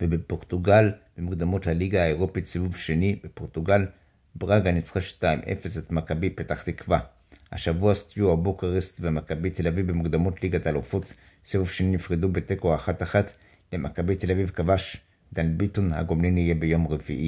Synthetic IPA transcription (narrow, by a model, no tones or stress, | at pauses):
vebepo̞ʁt̪uɡalbemuɡd̪amothaliɡahaeʁo̞pitsivuvʃe̞nibepo̞ʁt̪uɡal | bʁaɡanit͡sχaʃtaimʔḛfesatmakabipetaχt̪ikva | ha̰ʃavuast̪ijuhabukeʁest̪vemakabit̪e̞lavivbemuɡd̪amotliɡatalufot | sevuvʃeninifʁedubetekoaχataχat | lemʔakabet̪e̞lavivkavaʃ | dalbit̪onha̰ɡomlinijebejo̞mʁeviʔi